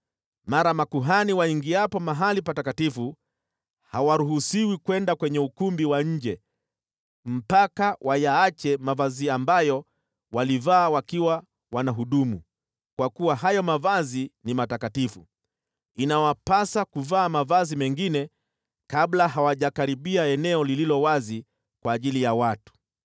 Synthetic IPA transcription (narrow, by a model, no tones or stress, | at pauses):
maɾamakuɦaniwaiŋɡiapɔmaɦalipatakatifu | hawaɾuɦusiwikwɛndakwɛɲɛukumbiwaɲ̩d͡ʒɛ | m̩pakawʔajaat͡ʃɛmavaziambajɔ | walivaːwakiwa | wanaɦuɗumu | kwakuwaɦajɔmavazinimatakatifu | inawapasakuvaːmavazimɛŋɡinɛ | kablaɦawaʄakaɾiɓiaɛnɛɔlililɔwazi | kwaːʄilijawatu̥